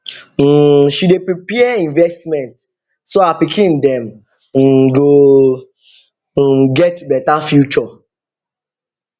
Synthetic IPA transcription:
ʃidepɹipɛaĩnvɛstmɛ̃nt | soapikʰĩndɛ̃m̩ | ɡo | ɡɛtbɛtafjut͡ʃɔ

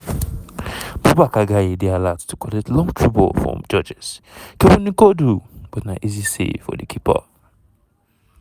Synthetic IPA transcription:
b̥ubakaɡaedealatʰukʰɔletlɔ̃ŋtʰɹibo̰lfɹɔ̰̃md͡ʒɔd͡ʒɛskewũnĩkodub̥ɔtnaʔizisḛfɔ̰dikʰipʰa̰

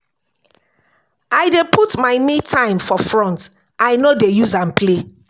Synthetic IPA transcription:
aɪdepʰutmaɪmitʰãɪ̃mfɔfɹɔ̃nt | ʔaɪnodejuzãnpʰle

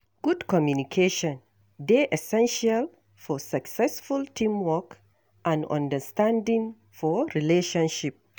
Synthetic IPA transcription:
ɡ̥udkɔmjunikʰeʃɔ̃n | deʔɛsɛ̃nʃal | fɔsaksɛsfultʰĩmwɔk | ʔãnɔ̰̃ndəstãndĩŋ | fɔɹileʃɔ̃nʃip̚

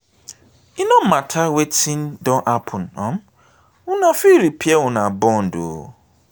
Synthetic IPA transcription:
ɪnɔ̃m̩matʰawetindɔʔapʰʊn̩ɔ̰̃m | ʊnãfiɾipʰiewʊnãbɔn̩do̰

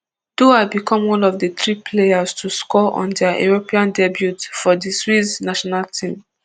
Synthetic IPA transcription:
d̥oabikɔ̃mwɔ̃nɔfdət̪ɹipʰlejastʰuskɔʔɔ̰̃ndaḛɹopiãndɛbjutfɔdiswisnaʃɔnaltʰĩm

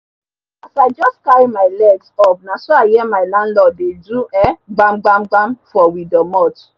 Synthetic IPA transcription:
afaɪd͡ʒɔstkaɾimaɪlɛɡsɔvnasoaɪjɛmaɪlãnlɔdeduɛɡ͡bam̩ɡ͡bam̩ɡ͡bamfɔwidɔmɔt

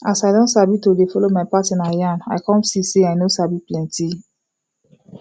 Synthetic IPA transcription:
asajdɔ̃ntsabitodefɔlomaɪpatĩnajãna̰ɪkɔ̃nsiseajnosabiplɛ̃nti

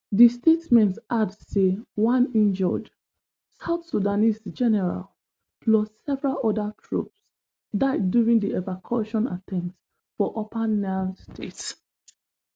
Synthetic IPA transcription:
distetmɛ̃ntadsewãnĩnd͡ʒɔ̰d | saʊθsudanisd͡ʒɛnɛɹa̰l | plɔssɛvɹalɔdatʰɹṵps | daɪddjuɹĩŋdiɛvakʰɔʃɔ̃na̰tʰɛ̃nt | fɔʔɔpʰanastʰḛts

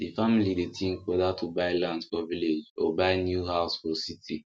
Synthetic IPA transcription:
difamilidetʰĩŋ̩kɛdatʰubaɪlãndfɔviled͡ʒobaɪnjuɦaʊsfɔsitʰi

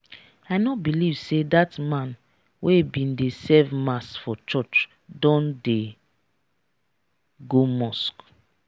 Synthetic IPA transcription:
ajnɔbilivsedatmãn | webĩndesɛvmasfɔt͡ʃɔt͡ʃ | dɔ̃nde | ɡomɔsk

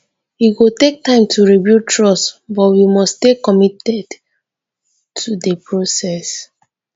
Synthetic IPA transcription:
iɡotek̚tãɪ̃mtʰuɹibjutʰɹɔsbɔtwimɔstekɔmitɛd | tʰudəpɹosɛs

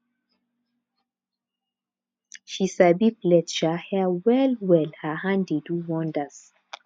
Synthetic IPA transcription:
ʃisabiplɛʃəhɛwɛlwɛlhəhãndiduwɔ̃ndəs

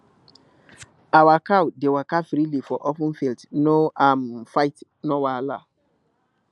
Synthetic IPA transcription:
awakawdewakafɾilifɔʔɔfũnfiltnoʔamfaɪt | nowala̰

